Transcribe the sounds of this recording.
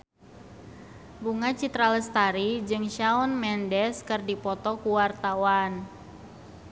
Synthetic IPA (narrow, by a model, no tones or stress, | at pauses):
buŋat͡ʃit̪ɾaləst̪aɾid͡ʒɨŋʃaɔnmɛndɛskərdipɔt̪ɔkuwart̪awan